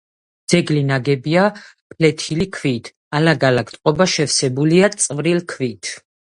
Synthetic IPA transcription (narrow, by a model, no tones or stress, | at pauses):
d̪z̥ɛɡlinaɡɛbia | pʰlɛt̪ʰilikʰvit̪ʰ | alaɡalakʼt̪ʼqʼɔbaʃɛfsɛbuliat̪sʼvɾilkʰvit̪ʰ